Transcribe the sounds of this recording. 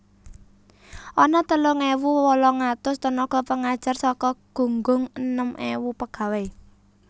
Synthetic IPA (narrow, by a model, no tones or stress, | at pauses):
ʔɔnɔt̪əlʊŋewuwɔlɔŋat̪ʊst̪ənɔɡ̥ɔpəŋad̥ʒ̥ə̤rsɔkɔɡ̥o̤ŋɡʊŋənəmʔewupəɡ̥ä̤we